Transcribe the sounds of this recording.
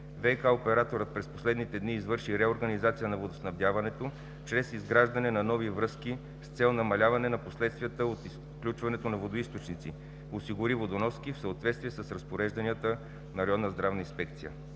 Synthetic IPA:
vɛjkaopɛɾat̪oɾət̪̚pɾɛsposlɛd̪nit̪ɛd̪niːzvɤɾʃiɾɛoɾɡɐnizat̪sijənɐvod̪osnɐvd̪ʲjavɐnɛt̪o | t͡ʃɾɛsizɡɾaʒd̪ɐnɛnɐnɔvivɾɤski | st̪sɛlˠnɐmɐlʲavɐnɛnɐposlɛt̪st̪vijət̪əot̪is | klʲut͡ʃvɐnɛt̪onɐvod̪oist̪ot͡ʃnit̪si | osiɡʊɾivod̪onɔskifsəot̪vɛt̪st̪viɛsəsɾɐspoɾɛʒd̪ɐniət̪ə | nɐɾɐɔnːəzd̪ɾavnəinspɛk̚t̪sijə̰

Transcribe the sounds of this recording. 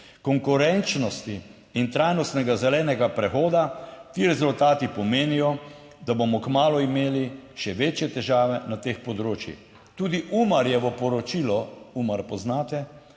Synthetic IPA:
kɔŋkuɾɛnt͡ʃnɔst̪iː | nt̪ɾajnɔst̪nɛɡazɛlɛːnɛɡapɾɛxoːd̪at̪iːɾɛzult̪aːt̪ipɔmeːnijɔ | d̪abomɔkmaːlɔimeːliʃɛʋeːt͡ʃjɛt̪ɛʒaːʋɛnat̪eːxpɔd̪ɾoːt͡ʃjḭx | t̪uːd̪iʔumaɾjɛʋɔpɔɾɔt͡ʃilɔumaɾpɔznaːt̪ɛ

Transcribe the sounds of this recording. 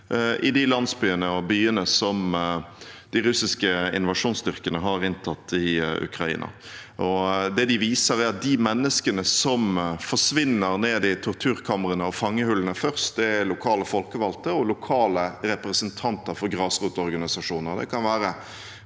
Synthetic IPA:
ʔɪd̪ɪlɑnsbyːənəɔbyːənəsɔm | d̪̥ɪɾʉsɪskəɪ̰nʋɑʂuːnsd̪ʏʁkənəɦɑɾɪnt̪ʰɑt̪ːɪʉ̰kɾɑḭːnɑ̰ʔɔd̪ɛd̪ɪʋiːsəɾɛɾɑt̪̚d̪ɪmɛnːəskənəsɔmfɔʂʋɪnːəɾneːd̪ɪt̪ʰʊɾt̪ʰʉːɾkʰɑməɾənəɔfɑŋːəhʉlənəfœɾst̪̚d̪ɛɛlʊkʰɑːləfɔlkəʋɑlt̪əɔlʊkʰɑːləɾɛpɾəsənt̪ʰɑnt̪əɾfɔɾɡɾɑːsʁuːt̪ɔɾɡɑnɪsɑʂuːnəɾd̪ɛ̰kʰɑnʋæːɾə

